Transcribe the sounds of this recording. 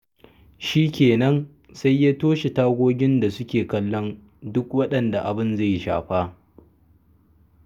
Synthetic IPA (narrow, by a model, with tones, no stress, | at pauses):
ʃiː˦kʲeː˨nɐ˦n | sa˦jːaː˦toː˦ʃe˨taː˦ɡʷoː˦ɡʲɪ˦nda˨sʊ˦kʲeː˨kɐ˦lːɔ˦n | dʊ˦kwɐ˦ɗɐ˨nda˨ʔa˨bɪ˦nza˦˨jʃa̰ː˨ɸaː˦